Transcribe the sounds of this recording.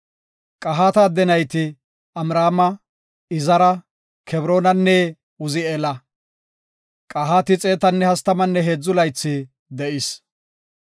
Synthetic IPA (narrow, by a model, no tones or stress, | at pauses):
kʼɐɦaːt̪ɐːd̪ɛnɐjt̪ɪ | ɐmɾaːmɐ | ɪzɐɾɐ | kʰɛbɾo̞ːnɐnːɛ | ʊzɪelɐ | kʼɐɦaːt̪ɪt͡sʼe̞ːt̪ɐnːɛhɐst̪ɐmɐnːɛɦeːd͡zːʊlɐjt͡sːɪ | d̪ɛʔɪs